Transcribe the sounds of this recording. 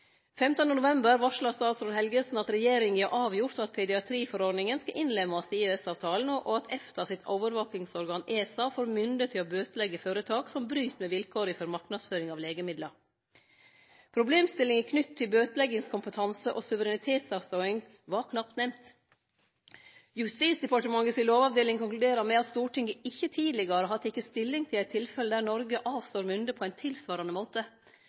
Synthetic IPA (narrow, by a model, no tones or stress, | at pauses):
fɛmt̪ənənʊʋɛmbəɾʋɑʂɭɑst̪ɑːsɾuːɾhɛlɡəsn̩ɑt̪ɾɛjeːɾɪŋɑʔɑːʋjʊɾt̪ɑt̪̚pʰɛd̪ɪɑt̪ʰɾiːfɔɾɔɖnɪŋənskɑʔɪnlɛmɑst̪iːɛsɑːʋt̪ʰɑːlən̩ɔʔoɑt̪ʰɛft̪əsɪt̪ʰoːʋəɾʋoːkɪŋsɔɾɡɑːneːsɑːfoːɾmʏnd̪ət̪ʰːɪlobøːt̪əlɛɡːəføːɾət̪ʰɑːksɔmbɾyːt̪mɛʋɪlkʰoːɾɪfɔɾmɑɾknɑd̪sføːɾɪŋɑʋleːɡəmɪd̪lə | pʰɾʊbleːmst̪ɪlːɪŋɪkʰnʏt̪ʰːɪlbøːt̪əlɛɡɪŋskʰʊmpət̪ʰɑnsəʔosʉʋəɾɛnɪt̪ʰeːt̪sɑːʋst̪oːɪŋ | ʋɑɾkʰnɑp̚t̪nɛmt̪ | jʉst̪iːsd̪ɛpɑʈəmɑŋɡəsɪloːʋɑːʋd̪eːlɪŋkʊŋklʉd̪eːɾəɾmɛɑt̪st̪uːʈɪŋɡəɪçːət̪ʰiːd̪lɪɡɑɾəɦɑt̪d̪ɪkːəst̪ɪlːɪŋt̪ʰɪlæɪt̪ʰːɪlfɛləd̪æːɾɳɔɾɡəʔɑːʋst̪oːɾmʏnd̪əpʰɔæɪnt̪ʰɪlsʋɑːɾɑnəmoːt̪ə